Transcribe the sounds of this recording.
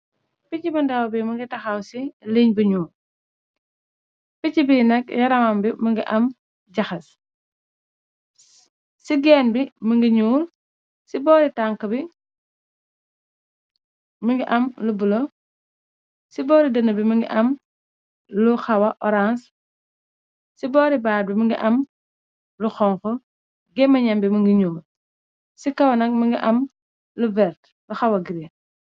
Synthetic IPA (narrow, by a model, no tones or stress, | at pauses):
picibɐndɐwbiməŋɡitɐxawsiliɲbuɲuːl | picibinɛk̚jɐɾɐmɐmbiməŋɡiʔɐm | ɟɐxɐs | siɡɛːnbiməŋɡiɲuːl | sibɔːɾitaŋkɐbi | mɐŋɡiʔɐmlubulo | sibɔːɾidɐnɐbimɐŋɡḭʔɐm | luxɐwɐʔɔɾans | sibɔːɾibaːd̚bimɐŋɡḭʔɐm | luxɔŋkɔ | ɡɛmːɐɲɐmbimɐŋɡiɲuːm | sikɐwɐnɐk̚mɐŋɡiʔɐm | luvɛɾt | luxɐwɐɡiɾi